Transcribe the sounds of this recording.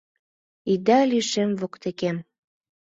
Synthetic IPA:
id̪ælyʃemvokt̪ekem

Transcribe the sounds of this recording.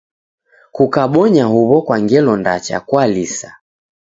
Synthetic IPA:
kukaɓɔɲahuβɔkwaŋɡɛlɔndat͡ʃa̰kwalisa

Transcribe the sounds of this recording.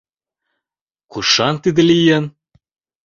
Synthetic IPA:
kuʃɑnt̪id̪ɘ̆lijen

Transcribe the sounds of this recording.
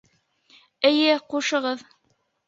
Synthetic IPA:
ɘ̆jɘquʃɤ̆ʁɤð

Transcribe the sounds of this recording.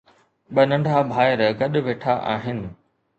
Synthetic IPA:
ɓɐnɐ̃ɳɖʱabʱaːɪɾɡɐɗ̆ʋeːʈʰaʔa̰ːɦɪnɪ̆

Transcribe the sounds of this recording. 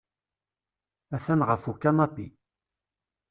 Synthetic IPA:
æθænʁəfukːanɑpːi

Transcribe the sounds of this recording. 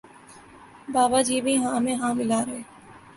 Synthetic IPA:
baːbad͡ʒiːbʱiɦãmẽɦãːmɪlaːɾəɦeː

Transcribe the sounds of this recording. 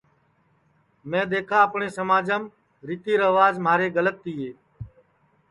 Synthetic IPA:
mẽːd̪eːkʰãːəpɳeːsəmaːd͡ʒəm | ɾit̪iːɾəʋaːzmaːɾeːɡələt̪ːiːeː

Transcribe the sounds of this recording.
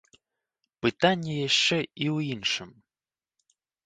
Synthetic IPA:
pɨt̪anʲːɛjaʂt͡ʂɛiwinʂɨm

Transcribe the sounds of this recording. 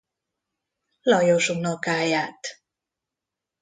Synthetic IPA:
lɒjoʃuŋnokaːjaːt̪

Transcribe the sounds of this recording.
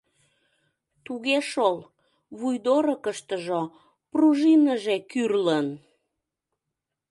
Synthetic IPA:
t̪uɣeʃol | βujd̪oɾəkəʃt̪əʒo | pruʒinəʒekyrlən

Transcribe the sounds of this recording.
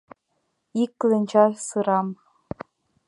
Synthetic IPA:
iklʲɘ̆nʲt͡ɕɑsɯɾɑm

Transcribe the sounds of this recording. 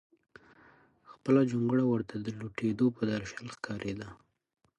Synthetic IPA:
xpəlad͡ʒuŋɡɽawəɾt̪ʰad̪əluʈed̪opəd̪aɾʃalxkʰɑɾʔed̪a

